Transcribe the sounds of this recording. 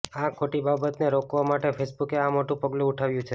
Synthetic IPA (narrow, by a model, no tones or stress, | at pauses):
akʰoʈibabət̪neɾokʋamaʈefʰesbukeamoʈũpəɡlũːʈʰaʋjũt͡ʃʰe